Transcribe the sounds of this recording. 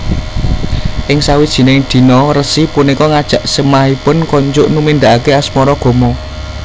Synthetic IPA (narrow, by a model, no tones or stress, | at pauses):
ʔɪŋsawid̥ʒ̥i̤neŋd̪̥i̤nɔrəsipunikɔŋad̥ʒ̥ä̤ʔsəmahipʊnkɔɲd͡ʒʊʔnumind̪aʔakeasmɔɾɔɡ̥ɔ̤mɔ